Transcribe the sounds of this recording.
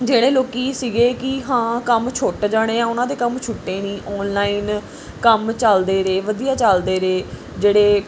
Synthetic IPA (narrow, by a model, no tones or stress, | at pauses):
d͡ʒeːɽeːloːkiːsiɡeːkɪɦãːkəmt͡ʃʰʊʈd͡ʒaːɽ̃eːãːʊnãːd̪eːkəmt͡ʃʰʊʈːeːnĩːʔɔːnlaːiːn | kəmt͡ʃəld̪eːɾeːʋəd̪ijaːt͡ʃəld̪eːɾeː | d͡ʒeːɽeː